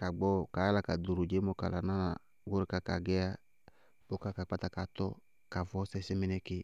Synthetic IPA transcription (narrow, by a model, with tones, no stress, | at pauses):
ka˨ɡ͡bɔ˦˨ka˨˦la˨ka˨do˨ɾʊ˨d͡ʒe˦mɔ˦ka˨la̰˨na˦la˨ | ɡʊ˦ɾɪ˨˦ka˦ka˨ɡɛ˦a˦ | bʊ˦ka˦ka˨k͡pa˦ta˨ka˨t̪ɔ˦ | ka˨vɔ˦sɛ˦sɪ˦mɪ˦nɛ˦kɪ˦